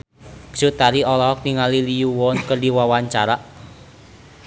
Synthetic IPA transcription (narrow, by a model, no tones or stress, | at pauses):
ɡ̥sut̪aɾiʔɔlɔɦɔk̚niŋalilijuwɔnkərdiwawaɲt͡ʃaɾaʔ